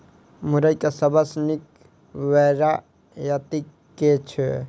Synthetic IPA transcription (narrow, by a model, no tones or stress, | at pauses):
muɾəjkesəbəsnik | ʋɛɾa | jat̪ikː | et͡ʃʰɛ